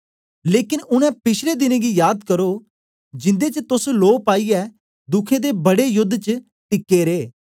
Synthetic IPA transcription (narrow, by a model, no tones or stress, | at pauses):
leːkɪnʊnɛ̃pɪt͡ʃʰled̪ɪneɡijaːd̪kɐɾo | d͡ʒɪ̃nd̪et͡ʃət̪ʊsloːpaːiɛ | d̪ʊkʰẽd̪ebɐɽejʊd̪ʱːt͡ʃə | t̪ɪkːeɾeː